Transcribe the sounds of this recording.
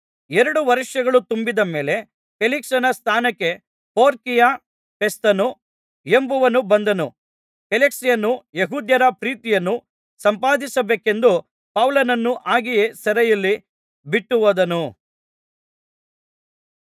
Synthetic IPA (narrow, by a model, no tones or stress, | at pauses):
eɾɐɽuʋɐɾiʂjɐɡɐɭut̪umbid̪ɐme̞ːle̞ | peliksɐnɐst̪ʰaːnɐkːe̞ | poːɾkija | pest̪ɐnu | e̞mbuʋɐnubɐnd̪ɐnu | keleksijɐnːujeɦuːd̪jɐɾɐpɾiːt̪ijɐnːu | sɐmpaːd̪isɐbeːke̞nd̪u | pɐwlɐnɐnːuʔaːɡijesɐɾɛjɐlːi | biʈːuʋɐd̪ɐnu